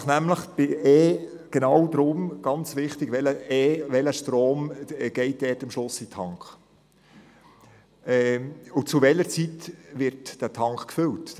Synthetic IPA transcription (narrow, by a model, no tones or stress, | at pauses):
χnæmləχb̥ɪɛː | ɡ̥enɑwdɾʊmɡ̥ɑnt͡sʋɪχtɪɡʋɛləɛːʋɛləʃtɾoːmɡ̥ɛɪt̚dɛːtɪmʃlʊsitʰɑŋkχ | ɛʊt͡suʋɛləɾt͡sitʋɪɾtd̥ætʰɑŋkχkfʏlt